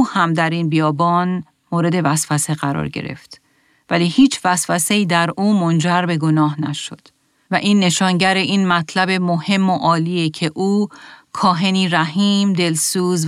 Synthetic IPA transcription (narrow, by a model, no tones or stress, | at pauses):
uːhæmd̪æɾiːnbijɒːbɒːn | moːɾe̞d̪e̞væsfæseɣæɾɒ̰ːɾɟḛɾe̞̰ft̪ | væliːhiːt͡ʃʰvæsfæse̞iːd̪æɾuːmond͡ʒæɾbe̞ɡo̞nɒːɦnæʃo̞̰d̪̥ | væʔiːnːe̞ʃɒːnɟæɾe̞ʔiːnmæt̪ʰlæbe̞mo̞he̞mːoʔɒːliːecʰe̞ʔuːkʰɒːɦe̞niːɾæɦiːmd̪e̞lsuːz